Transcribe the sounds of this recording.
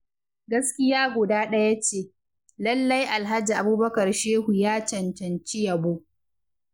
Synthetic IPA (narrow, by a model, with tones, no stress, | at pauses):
ɡɐ˦skʲɪ˦jaː˦ɡʷʊ˨daː˦ɗɐ˦ja˦t͡ʃeː˦˨ | lɐ˦lːa˦jʔa˨lɦa˦d͡ʒi˨ʔa˨buː˦bɐ˦kɐ˨rʃeː˦ɦu˨jaː˦t͡ʃɐ˨ntɐ˨nt͡ʃi˦jɐ˨boː˦